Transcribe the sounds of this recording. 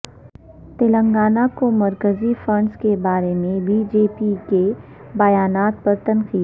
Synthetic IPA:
t̪ɪlə̃ŋɡaːnakomɐɾkəzifɐ̃ɳɖskebaːɾemẽbid͡ʒeːpike | bɐjaːnaːt̪̚pɐɾt̪ɐnqiːd̪

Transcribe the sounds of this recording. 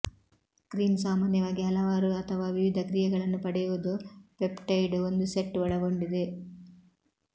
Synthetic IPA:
kɾiːnsaːmaːnjɐʋaːɡiɦɐlɐʋaːɾuɐt̪ʰɐʋaːʋiʋid̪ʱɐkɾijɐɡɐɭɐnːupɐɽɛjuʋud̪upepʈɐjɖo̞nd̪useʈːʋɐɭɐɡo̞ɳɖid̪e̞

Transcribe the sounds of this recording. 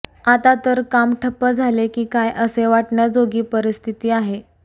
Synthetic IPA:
at̪at̪əɾkamʈʰəpːəd͡zʱalekiːkajʔəseʋaʈɳjad͡zoɡiːpəɾist̪ʰit̪iːaɦe

